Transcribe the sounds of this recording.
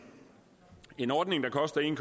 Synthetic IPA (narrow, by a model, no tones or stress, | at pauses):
e̝nɒːd̥ne̝ŋd̥ɑ̈kʰɒ̽sd̥ɐe̝nkʰ